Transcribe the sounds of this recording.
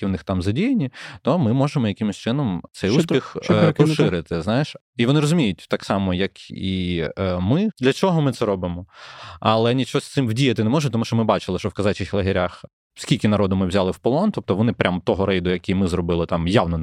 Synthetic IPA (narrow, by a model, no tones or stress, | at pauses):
iwnɪxt̪ɑmzɐdʲijenʲit̪ɔmɪmɔʒemɔjɐkɪmɪsʲt͡ʃɪnɔmt̪sɛjusʲpʲixɔʃɪɾɪt̪ɪznɑjeʃ | iʋɔnɪɾɔzʊmʲijʊt̚ʲt̪ɑksɑmɔjɐki | mɪd̪lʲɐt͡ʃɔɦɔmɪt̪sɛɾɔbɪmɔɐlˠɛnʲit͡ʃɔsʲt̪sɪmʋdʲijɐt̪ɪnɛmɔʒʊt̪ɔmuʃt͡ʃɔmɪbɑt͡ʃɪlˠɪʃt͡ʃɔwkɐzɑt͡ʃɪxlˠɐɦʲɪɾʲax | sʲkʲilʲkʲɪnɐɾɔd̪ʊmɪwzʲalˠɪwpɔlˠɔnt̪ɔp̚t̪ɔʋɔnɪpɾʲʔamt̪ɔɦɔɾɛjd̪ʊjɐkʲijmɪzɾɔbɪlˠɪt̪ɑmjawnɔ